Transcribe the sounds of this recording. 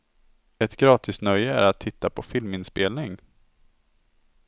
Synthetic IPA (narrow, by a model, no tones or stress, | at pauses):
ɛt̪ɡɾɑːt̪ʰɪst̪nœjːəæ̰ɾat̪ʰːɪt̪ːapʰɔfɪlmɪnspeːlnɪŋ